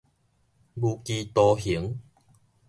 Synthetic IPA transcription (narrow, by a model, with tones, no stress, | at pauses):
bu˧kiː˧t̪ɔː˧hi˨˦əŋ